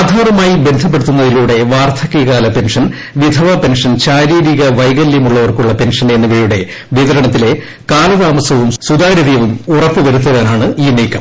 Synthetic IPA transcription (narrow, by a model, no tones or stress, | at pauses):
d̪ʱaːrɐmaːjibe̞nd̪ʱɐp̬ːe̞ɽut̪ːunːɐðiluːɽe̞ʋaːrt̪ʰɐkːeɣaːlɐpe̞nʂɐn | ʋid̪ʱɐʋape̞nʂɐnɕaːɾiːɾiɣɐʋɐjɣɐljɐmuɭːɐʋɐrkuɭːɐpe̞nʂɐne̞nːuʋeːjuɽe̞ | ʋiðɐɾɐɳɐt̪ːile̞ | kaːlɐt̪aːmɐsɐʋumsud̪aːɾɐðijɐʋumurɐpːɨʋɐɾut̪ːɐðɐːnaːɳɨiːniːkːɐm